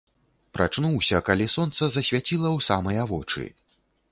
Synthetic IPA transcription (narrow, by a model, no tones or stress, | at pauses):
pɾa̰t͡ʂnuwsʲɐkalʲisɔnt̪sɐzɐsʲvʲat͡sʲilˠɐwsamɐjavɔt͡ʂɨ̰